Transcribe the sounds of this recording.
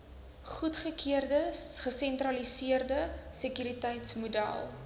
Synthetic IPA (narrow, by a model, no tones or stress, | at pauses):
χutχəkʰiərdəχəsɛntrɐlisiərdəsəkyɾitɛjtsmudæ̰lˠ